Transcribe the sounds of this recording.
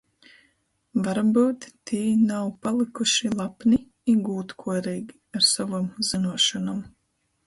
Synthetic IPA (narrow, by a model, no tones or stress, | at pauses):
vaɾbuːt̪ːiːnawpalˠikuʃilˠapni | iɡuːt̪kʰuɔɾiːɡʲi | aɾsavamzinuɔʃɔnam